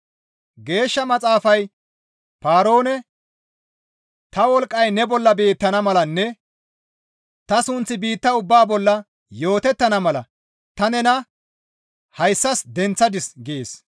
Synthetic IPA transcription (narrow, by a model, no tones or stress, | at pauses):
ɡe̞ːʃːɐmɐt͡sʼaːfɐj | paːɾo̞ːnɛ | t̪ɐwɔlkʼːɐjnɛbɔlːɐbe̞ːt̪ːɐnɐmɐlɐnːɛ | t̪ɐsʊnt͡sːɪbiːt̪ːɐʊbːaːbɔlːɐ | jo̞ːt̪ɛt̪ːɐnɐmɐlɐ̰ | t̪ɐnɛnɐ | hɐjsːɐsd̪ɛnt͡sːɐd̪ɪsɡɪeːs